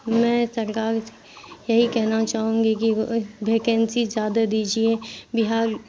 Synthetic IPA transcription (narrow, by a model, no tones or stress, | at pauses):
mɛ̃ːsɐɾkaːɾ | jɐɦikɛɦnat͡ʃaːɦũːŋɡikibʱeːkɛ̃nsizjaːd̪ad̪iːd͡ʒiebɪɦaːɾ